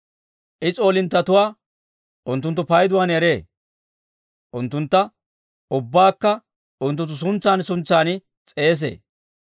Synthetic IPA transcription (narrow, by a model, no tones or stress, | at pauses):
ʔɪt͡sʼo̞ːlɪnt̪ːɐt̪ʊwaː | ʔʊnt̪ːʊnt̪ːʊpɐjd̪ʊwaːnɛɾeː | ʔʊnt̪ːʊnt̪ːɐ | ʊbːaːkːɐ | ʔʊnt̪̬ːʊnt̪ːʊsʊnt͡sːaːnsʊnt͡sːaːnɪ | t͡sʼe̞ːs̬ḛː